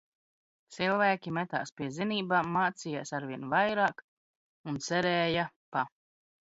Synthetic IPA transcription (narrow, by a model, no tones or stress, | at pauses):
t̪silˠvæːkʲimɛt̪a̰ːspʲiɛziniːbaːmaːt̪sijaːsaɾviɛnvajɾaːk | unt̪sɛɾɛːja | pa